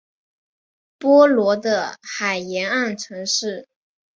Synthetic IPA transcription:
pwɔ˥lwɔ˧˥d̪ə˧xa˨˩ɪjɛ˧˥na˥˩nʈ͡ʂʰɤ˧˥ŋʂɻ̩˥˩

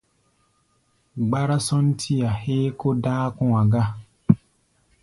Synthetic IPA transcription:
ɡ͡ba˦ɾa˦sɔ˦n̩˦tʰi˦a˨heː˦ko˦daː˦kũ˦a˨ɡa˦

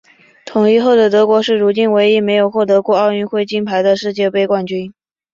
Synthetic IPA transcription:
t̪ʰʊ˨˩ŋi˥xo˥˩ʊd̪ə˩t̪ɤ˧˥kwɔ˧˥ʂɻ̩˥˩ɻu˧˥t͡ɕi˥nwe˧˥ɪi˧˥me˧˥ɪjo˨˩ʊxwɔ˥˩t̪ɤ˧˥kwɔ˥˧ɑ˥˧ʊy˥˧xwe˥˩ɪt͡ɕi˥npʰa˧˥ɪd̪ə˧ʂɻ̩˥˧t͡ɕjɛ˥˧pe˥˧ɪkwa˥˩nt͡ɕy˥n

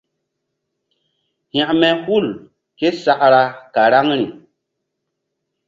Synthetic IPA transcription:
ha˨ʔmɛ˨hu˦˨l | ke˦sa˦ʔɾa˨ka˨ɾa˦ŋɾi˨

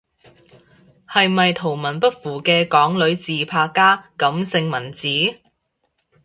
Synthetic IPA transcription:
hɐ˨jmɐ˨jt̪ʰo˨˩wmɐ˨˩npɐ˥t̚fuː˨˩kɛː˧kɔː˨˥ŋlɵ˨˧˥ɥt͡siː˨pʰaː˧kaː˥kɐ˨˥msɪ˧ŋmɐ˨˩nt͡siː˨˥

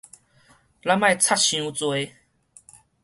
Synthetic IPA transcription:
la˦mã˥˧jt͡sʰa˥˦t̚ɕjũ˧˦t͡swe˧˦

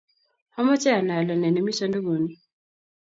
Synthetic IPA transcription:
hɔ˦mɔ˦t͡ʃɛ˦a˨na˨la˨nɛ˨nɛ˨mi˦sɔ˦ndo˦ɡo˨ni˦˨

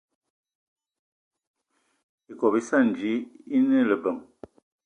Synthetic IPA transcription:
i˨kɔ˨bi˦sa˦˨n˨d͡ʒi˨˦i˦nə˦˨lə˨bə˨ŋ

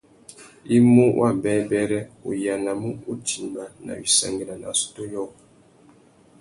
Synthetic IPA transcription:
i˦mu˦wʔa˦˨bɛ˦bɛ˦ɾɛ˦ṵ˨ja˨na˨mu˦u˦ti˨m˨ba˦na̰˨wi˨sa̰˨ŋɡe˨la˨na̰˨su̥˨to˦jɔ˦k

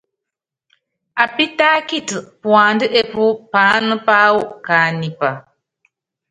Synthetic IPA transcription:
a˨pi˦taː˦ki˦˨tɨ˨pwa˨ndɨ˦ʔe˦pu˦paː˦nɨ˦pa˦wu˦˨kaː˨ni˨pa˨

